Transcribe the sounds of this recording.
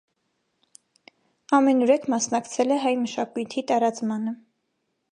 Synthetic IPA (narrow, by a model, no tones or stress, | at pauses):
ɑmɛnuɾɛkʰmɑsnɑkt͡sʰɛlɛɦɑjməʃɑkujt̪ʰit̪ɑɾɑt͡smɑnə